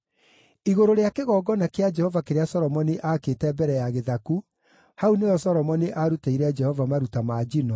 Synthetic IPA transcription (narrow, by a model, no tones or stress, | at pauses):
iɣoɾoɾeakeɣɔːɡɔnakead͡ʒɛhɔvakeɾeasɔɾɔmɔniʔaketɛbɛɾɛjaɣeðaku | haunejɔsɔɾɔmɔniʔaɾutaiɾɛd͡ʒɛhɔvamaɾutamaːd͡ʒinɔ